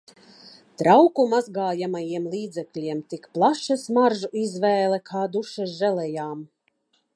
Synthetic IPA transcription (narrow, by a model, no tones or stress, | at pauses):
t̪ɾawkumazɡaːjamajiɛmlˠiːd̪zɛklʲiɛmt̪ikplˠaʃasmaɾʒuizvɛːlˠɛkʰaːd̪uʃaʒɛlɛjaːm